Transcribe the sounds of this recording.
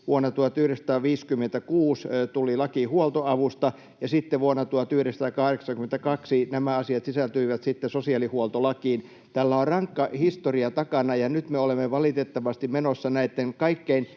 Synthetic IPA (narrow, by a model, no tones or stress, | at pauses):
ʋuonːɑt̪uɑt̪yhɾesɑ̥t̪ɑːʋiːskymːent̪ækuːst̪ulilɑkihuolt̪oɑʋust̪ɑ | jɑsit̪ːeʋuonːɑt̪uɑt̪yhɾest̪ɑːkɑhreksɑŋkyment̪ækɑksinæmæɑsiɑt̪sisælt̪yiʋæt̪sit̪ːesosiɑlihuolt̪olɑkiːn | t̪ælːæorrɑŋkːɑhist̪oriɑt̪ɑkɑnɑjɑnyt̪meolemːeʋɑlit̪et̪ːɑʋɑst̪immenosːɑnæit̪ːeŋkɑikːein